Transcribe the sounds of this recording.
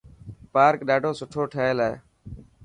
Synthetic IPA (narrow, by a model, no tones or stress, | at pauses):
paːɾkɗaːɖʱoːsʊʈʰoːʈʰəɦeːlaːḛː